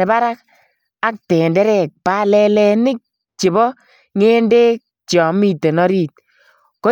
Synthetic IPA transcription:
e˨ba˦ɾa˦k̚ | a˦k̚tɛ˨ndɛ˦ɾɛ˨k̚pa˦lɛ˨lɛ˨nɪ˦k̚ | t͡ʃi˨bɔ˦ | ŋeː˦nde˦k̚ | t͡ʃɔ˨mi˦˨te˨nɔ˦ɾiː˦˨t̚ | ko˦

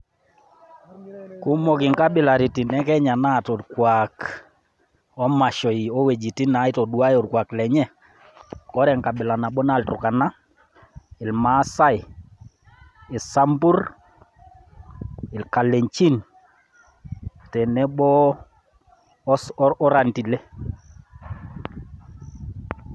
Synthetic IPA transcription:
ku˦mɔ˨kɪ˨ŋka˦ɓɪ˨la˨ɾi˨ti˨nɛ˦kɛ˦ɲa˨na˦˨tɔ˨ɾkwak | ɔ˦ma˨ʃɔ˨i˨ɔ˦we˨d͡ʒi˨ti˦na˨˦i˦tɔ˨du˨a˦jɔ˨ɾkwa˨klɛ˨ɲɛ˦ | kɔ˦ɾɛ˨ŋka˨ɓɪ˨la˨na˨ɓɔ˦na˦˨ltʊ̰˨ka˨na˦ | ɪ˨lma˨˦sa˦j | ɪ˨sa˦mbu˦r | ɪ˨lka˨lɛ˨ɲt͡ʃi˦n | tɛ˨nɛ˦ɓɔ˦ | ɔ˦ɾa˨nti˨lɛ˦

